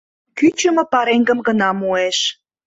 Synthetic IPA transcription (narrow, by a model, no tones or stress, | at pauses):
kyt͡ɕəmə̆pɑɾeŋɡə̆mɡənɑmueʃ